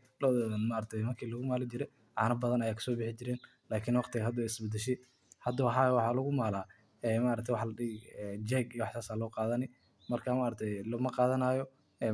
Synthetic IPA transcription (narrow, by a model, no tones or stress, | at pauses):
lɔmaɾɐk̚t̪ʰɛjmɐrkʰiːlɐɣʊmaːlɪt͡ʃɪɾɛ | ʕɑ̰ːnɐbɐðɐnɐjaːkʰɐ̥sɔːbɪħɪt͡ʃɪɾɛːn | laːkʰɪnwɑqt̪ʰɪɣɦɐd̪ɐwɛɪsbɛd̪ɛʃɛj | hɐd̪ɐwɑħɑwɑħɑːlɐɣʊmaːlaː | ɛːmaːʔɾɐkt̪ʰjwɑħlɐɗɪɡɛd͡ʒɛːɡijwɑħt̪aːsaːlɔːqɑːðɐnɪ | mɐrkʰamaːɾɐt̪ʰɛjlɐmɐqɑːðɐnaːjɔ | ɛː